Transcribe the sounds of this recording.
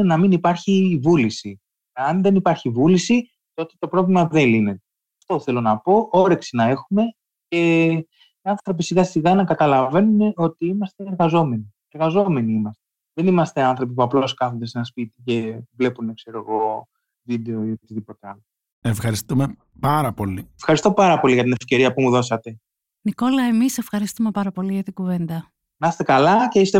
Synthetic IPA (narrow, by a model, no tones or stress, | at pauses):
enɐminipɐɾçivulisi | ɐnðe̞nipɐɾçivulisi | t̪o̞t̪e̞̥t̪o̞pɾo̞vlimɐðeline̞t̪e | ɐft̪o̞θe̞lo̞nɐpo̞ʔo̞ɾe̞ksinɐe̞xume̞ | ce̞ | iɐnθɾo̞pisiɣɐsiɣɐnɐkɐt̪ɐlɐve̞nuneo̞t̪iimɐst̪e̞ːɾɣɐzo̞me̞ni | eɾɣɐzo̞me̞niimɐst̪e̞ | ðenimɐst̪eɐnθɾo̞p̬ipuɐploskɐθond̪ese̞nɐspit̪ice̞vle̞punekse̞ɾo̞ɣo̞ | vid̪e̞o̞iop̪izðipo̞t̪eɐlo | efxɐɾist̪ume | pɐɾɐpo̞liefxɐɾist̪o̞pɐɾɐpo̞liɣɐt̪ine̞fce̞ɾiɐpumuðo̞sɐt̪e̞ | niko̞lɐe̞mise̞fxɐɾist̪ume̞pɐɾɐpo̞liʝɐt̪iɡuve̞nd̪ɐ | nɐst̪e̞kɐlɐce̞ist̪e